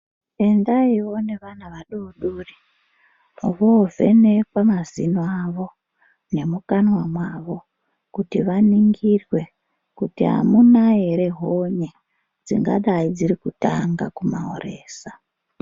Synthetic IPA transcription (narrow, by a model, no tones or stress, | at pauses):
e̞ndaiwo̞ne̞ʋanaʋaɗuɗuːri | ʋove̞̰nekwamazinoaʋo̞ | ne̞mukanwamwaːʋo̞ | kutiʋaniŋɡirwe̞ | kutiɦa̰munaeɾe̞ɦoɲe | d͡zḭŋɡa̰ɗaid͡ziɾikutaŋɡa̰kumao̰re̞ːsa